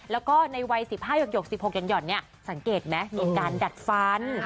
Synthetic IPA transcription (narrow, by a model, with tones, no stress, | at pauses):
lɛː˦˥wkɔː˥˩na˧jwa˧jsi˨˩p̚haː˥˩jo˨˩k̚jo˨˩k̚si˨˩p̚ho˨˩k̚t͡ɕɔ˧njɔ˨˩nni˥˩ɐ | sa˩˦ŋkeː˨˩t̪̚mɛ˦˥miː˧nkaː˧nda˨˩t̪̚fa˦˥n